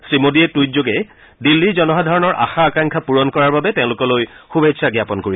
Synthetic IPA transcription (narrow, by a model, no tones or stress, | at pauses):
sɹimodiɛtujt̚zoɡɛ | dilːizɔnɔɦadʱɔɹɔnɔɹʔa̰xaːkaŋkʰapuɹɔnkɔɹaɹbabɛtɛʊ̃lʊkɔlojxubʱetsʰaɡjapɔnkoɹi